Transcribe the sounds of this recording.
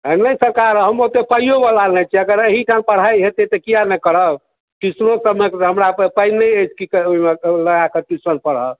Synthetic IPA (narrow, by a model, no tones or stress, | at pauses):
nəjsəkaɾɦəmot̪epəjjobəlalnɛt͡ʃʰiəɡəɾeɦiʈʰampəɽ̤ajɦet̪et̪ɔkijanɛkəɽ̤ə | ʈisɾosəbmekɦəmɾappəjnnːəjəjt͡ʃʰkikoimeləɡakəʈisɾənpəɽ̤ə